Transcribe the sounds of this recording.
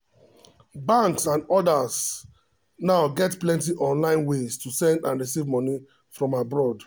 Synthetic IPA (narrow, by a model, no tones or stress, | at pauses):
bãŋksãnɔdas | naʊɡɛtplɛ̃ntiʔɔ̃nlãɪ̃nwestusɛ̃ndãnɹisivmɔni | fɹɔ̃mabɹɔd